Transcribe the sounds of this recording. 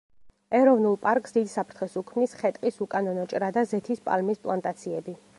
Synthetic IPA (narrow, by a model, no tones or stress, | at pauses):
ɛɾɔvnulˠpʼaɾkʼsd̪id̪sapʰɾt̪ʰχɛsukʰmnisχɛt̪ʼqʼisukʼanɔnɔt͡ʃʼɾad̪azɛt̪ʰispʼa̰lmispʼlˠant̪ʼat̪sʰiɛbi